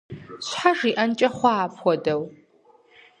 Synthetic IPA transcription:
ɕʷħaʒiːʔɐnt͡ʃʼɐχʷɑːpʰʷɔdɐw

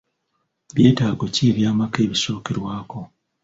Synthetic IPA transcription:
βje̞ːtaːɡociβjaːmake̞ːβiso̞ːkeɾwaːko̞

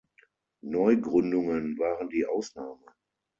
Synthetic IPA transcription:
nɔʏɡʁʏndʊŋənvaːʁəndiːʔaʊsnaːmə

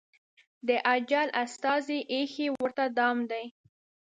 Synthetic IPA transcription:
d̪əʔad͡ʒalʔast̪ɑziʔexewəɾt̪ad̪ɑmd̪aj

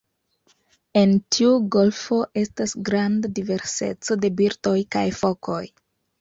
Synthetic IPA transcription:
e̞ntʰiuɡo̞lfo̞ʔe̞stasɡɾandadive̞ɾse̞̰t͡so̞de̞biɾto̞jka̰jfo̞kʰo̞j

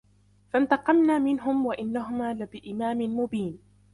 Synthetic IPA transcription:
fant̪ɑqɑmnaːmɪnɦʊmwaʔɪnːaɦʊmaːlɪbɪʔɪmaːmɪnmʊbiːn

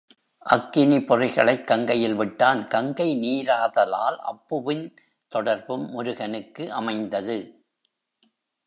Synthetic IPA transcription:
ʔɐkːɪnipɔrɪɣɐɭɐɪkːɐŋɡɐjɪlʋɪʈːaːnkɐŋɡɐɪniːɾaːðɐla̰ːlʔɐ̰pːɯʋɪn | t̪ɔɽɐɾbɯmːʊɾʊɣɐnɯkːɯʔɐmɐɪnd̪ɐðɯ

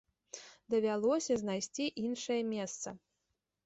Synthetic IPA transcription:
d̪ɐvʲalˠɔsʲɐzʲnajsʲt͡sʲiʔinʂɐjɛmʲɛst̪sɐ̰

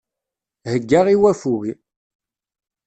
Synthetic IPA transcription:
həɡːaʁiwæfuɣi

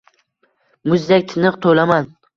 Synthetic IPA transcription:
mʊzd̪ak̚ʲt̪ʰɪnɨqt̪ʰolaman

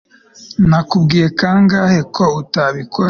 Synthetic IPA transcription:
nakubɡiːje̞kaŋɡaːhe̞kʰo̞utaβikʰo

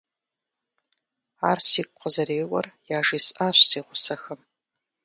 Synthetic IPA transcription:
aːrsiːkʷʼqəzɐɾeːwɐ̰rjaːʒiːsaːɕʷseːʁʷʊsɐxɨm

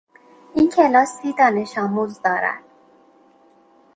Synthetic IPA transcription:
incʰelɒːsiːd̪ɒːne̞ʃɒːmuːzd̪ɒːɾæ̰n̥̚

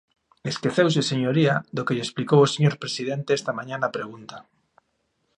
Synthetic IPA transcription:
eskeθews̬eseɲoɾiaðokeʎesplikowoseɲoɾpɾesiðent̪eest̪amãɲanapɾeɣ̞unt̪a

